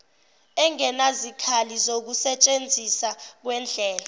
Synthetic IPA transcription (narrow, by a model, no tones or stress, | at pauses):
ɛŋɛnazikʰalizok̬usɛt͡ʃʼend͡zʱisak̬wɛnd͡ɮʱɛːla